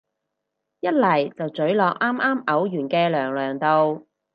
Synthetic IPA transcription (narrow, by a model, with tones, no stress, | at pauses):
jɐ˥t̚lɐ˨˩jt͡sɐ˨wt͡sɵ˨˥ɥlɔː˨k̚ʔaː˥mʔaː˥mʔɐ˨˥wjyː˨˩nkɛː˧lœː˨˩ŋlœː˨˩ŋt̪o˧w